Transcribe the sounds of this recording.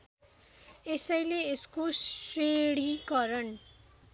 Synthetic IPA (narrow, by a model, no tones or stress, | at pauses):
esʌjleeskoseɽikʌɾʌn